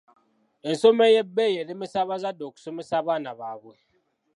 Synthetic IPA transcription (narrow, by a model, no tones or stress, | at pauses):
ensomɛjɛbɛjelimisaβazadoksumisaβanaβabwe